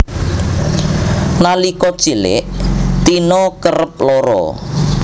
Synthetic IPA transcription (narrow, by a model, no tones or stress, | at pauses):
nalikɔ̥t͡ʃilɪ̰ʔt̪inɔkərəp̚lɔɾɔ̰